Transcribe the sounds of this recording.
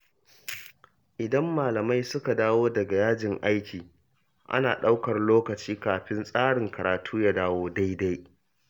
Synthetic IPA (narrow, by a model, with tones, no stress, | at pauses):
ʔɪ˨dɐ˦mːaː˨lɐ˨ma˦jsʊ˦ka˨daː˦woː˦dɐ˨ɡa˨jaː˦d͡ʒɪ˨ŋʔa˦jkʲiː˨ | ʔa̰˦naː˨ɗa˦wkɐ˨rloː˦kɐ˨t͡ʃiː˦kaː˨ɸɪ˦nsʼaː˦ɽɪ˨ŋkɐ˨ɾaː˨tʰuː˦ja˦daː˦woː˦da˦jda˦j